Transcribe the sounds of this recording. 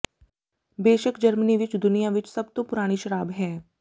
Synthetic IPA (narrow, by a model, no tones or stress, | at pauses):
beːʃəkd͡ʒəɾməniʋɪt͡ʃd̪ʊnijaʋɪt͡ʃsɐbt̪õpʊɾaːɽ̃iʃəɾaːbɦɛː